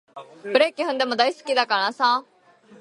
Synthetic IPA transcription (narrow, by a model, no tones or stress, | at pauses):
pɾeːkeɦʊ̃nd̪eməd̪aːɪskiːd̪aːkəɾɳãːsãː